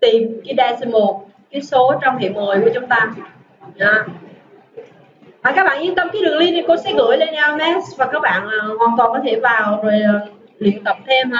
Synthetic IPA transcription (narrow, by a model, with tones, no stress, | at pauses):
t̪i˨˩mki˨˦ɗaː˧si˧mo˨˩ | ka˨˦so˨˦t͡ɕɔ˧wŋ͡mhḛ˨mo˨˩jku˧˩˦ət͡ɕʊ˨˦ŋ͡mt̪aː˧ | ɗaː˧˩ | vaː˨˩kaː˦k̚ɓa̰ː˧˨ɲɨ˧nt̪ə˧mkaː˨˦ɗɨ˨˩ŋli˧ni˨˩ko˧˦sɛ̰˨˦˥ŋɨ̰˧˥əjle˧nʔa˧mɛ˦˥svaː˨˩kaː˦˥k̚ɓa̰ː˧˨naː˨˩hwaː˨˩nt̪wɔː˨˩nkɔ˨˦t̪ʰe˧˩vaː˨˩wzo˨˩jəː˨˩ | lḭ˧˨ənt̪ə˨˧˩p̚t̪ʰe˧mha˧˦